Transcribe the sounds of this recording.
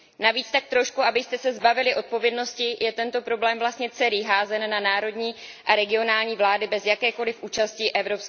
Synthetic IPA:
naviːt͡st̪ak̚t̪ɾo̞ʃkuʔabɪst̪ɛsɛzbavɪlɪʔo̞t̪̚po̞vjɛdno̞scɪjʔɛt̪ɛnt̪o̞pɾo̞blɛːmvlast̪ɲɛt͡sɛliːɦaːzɛnːanaːɾo̞dɲiːʔaɾɛɡɪo̞naːlɲiːvlaːdɪbɛzjakɛːko̞lɪfʔuːt͡ʃasciʔɛvɾo̞ps

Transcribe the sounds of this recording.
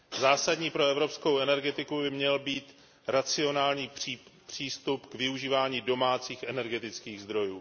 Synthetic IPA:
zaːsadɲiːpɾo̞ɛvɾo̞psko̞wɛnɛɾɡɛt̪ɪkubɪmɲɛlbiːt̪ | ɾat͡sɪo̞naːlɲiːipr̝̥iːst̪upkvɪuʒiːvaːɲiːdo̞maːt͡siːxʔɛnɛɾɡɛt̪ɪt͡skiːɣzd̪ɾo̞juː

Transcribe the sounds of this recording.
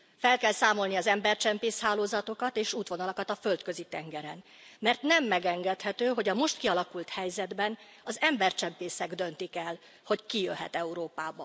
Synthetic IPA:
fɛlkɛlsaːmo̞lniɒzɛmbɛrt͡ʃɛmpeːshaːloːzɒt̪o̞kɒt̪eːʃuːt̪ʋo̞nɒlɒkɒt̪ɒfølt̪kø̞zit̪ɛŋɡɛɾɛn | mɛrt̪nɛmːɛɡɛŋɡɛt̪hɛt̪øːɦo̞ɟɒmo̞ʃt̪kiɒlɒkult̪hɛjzɛd̪bɛn | ɒzɛmbɛrt͡ʃɛmpeːsɛɡd̪ø̞nt̪ikɛl | ho̞ckijøɦɛ̰t̪ɛuɾoːpaːbɒ

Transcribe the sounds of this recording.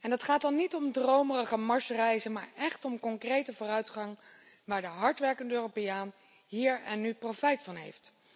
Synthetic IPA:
ɛndɑtχaːt̚dɑnːitɔmdrowmərəχəmɑɹsərɛjzənma̰ːɹɛχtɔmkɔŋkrejtəvʊːrœɥtχɑŋ | ʋaːɹdəɦɑɹtʋɛɹkəndəøːropejaːn | ɦiːɹɛnːyprofɛjtfɑnɦḛjft

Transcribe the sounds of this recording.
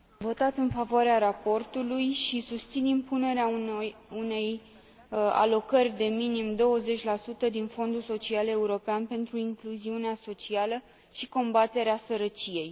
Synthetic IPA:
vo̞t̪at̪ɨnfavoaɾeaɾapo̞rt̪ulujʃisust̪sinimpune̞ɾeaune̞j | a̰lo̞kərʲd̪e̞minimd̪o̞wəze̞t͡ʃʲlasut̪əd̪info̞nd̪uso̞t͡ʃiale̞uɾo̞peanpe̞nt̪ɾuiŋkluziuneaso̞t͡ʃialə | ʃiko̞mbat̪e̞ɾeasəɾət͡ʃije̞j

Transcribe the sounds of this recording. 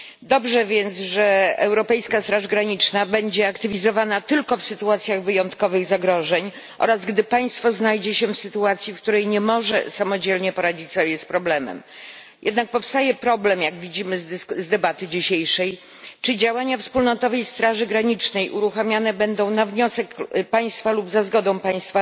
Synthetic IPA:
d̪ɔbʐɛvʲjɛnt̪sʐɛɛwɾɔpɛjskast̪ɾaʐɡɾaɲit͡ʂnabɛɲd͡ʑɛakt̪ɘvʲizɔvanat̪ɘlkɔfsɘt̪uat̪sʲjaɣvɘjɔnt̪kɔvɘɣzaɡɾɔʐɛɲ | ʔɔ̰ɾazɡd̪ɘpaj̃st̪fɔznajd͡ʑɛɕɛfsɘt̪uat̪sʲjifkt̪uɾɛjɲɛmɔʐɛ̰samɔd͡ʑelɲɛpɔɾad͡ʑit͡ɕsɔbʲjɛspɾɔblɛmɛ̰m | jɛ̰d̪nak̚pɔfst̪ajɛpɾɔblɛmjaɡvʲid͡ʑimɘzzd̪ɛbat̪ɘd͡ʑiɕejʂɛj | t͡ʂɘd͡ʑawaɲafspulnɔt̪ɔvɛjst̪ɾaʐɘɡɾaɲit͡ʂnɛjʔuɾuxamʲjanɛbɛnd̪ɔ̃w̃navɲɔsɛkpaj̃st̪falubzazɡɔd̪ɔ̃w̃paɲ̃st̪fa

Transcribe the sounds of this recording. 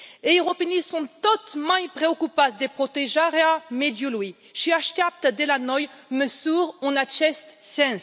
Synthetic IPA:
eʁɔpenisɔ̃t̪ɔt̪mãjpχeɔkypasd̪epχɔt̪eʒaʁeamed̪julwi | ʃɥiaʃt̪eap̚t̪ad̪elanɔjməsuʁɔ̃nat̪ʃɛst̪sɛ̃z

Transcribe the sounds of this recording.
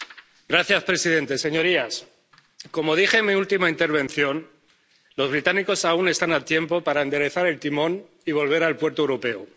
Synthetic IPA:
ɡɾaθjaspɾe̞siðe̞nt̪e̞se̞ɲo̞ɾias | ko̞mo̞ðixe̞miult̪imaint̪e̞ɾβ̞ẽ̞nθjo̞n | lo̞zβ̞ɾit̪aniko̞saune̞st̪anat̪je̞mpo̞paɾaend̪e̞ɾe̞θaɾe̞lt̪imõ̞n | iβ̞o̞lβ̞e̞ɾalpwe̞ɾt̪oewɾope̞u

